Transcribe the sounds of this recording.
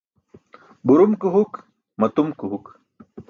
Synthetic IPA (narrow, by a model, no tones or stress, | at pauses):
buɾumkɨɦuk | mɐt̪umkɨɦuk